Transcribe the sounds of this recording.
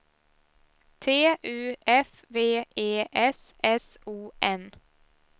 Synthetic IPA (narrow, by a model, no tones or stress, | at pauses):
t̪ʰeːʔʉːʔɛf | ʋeːeːʔɛsɛsuːʔɛn